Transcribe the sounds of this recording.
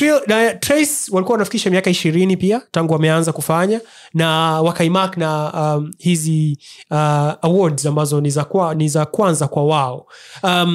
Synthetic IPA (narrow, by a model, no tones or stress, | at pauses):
tɾinatɾɛswalikuawanafi̥kiʃamiakaiʃiɾinipiataŋɡuwamɛanzakufaɲa | nawakaimakna | hiziaawɔdzambazɔnizakanizakwanzakwawaɔam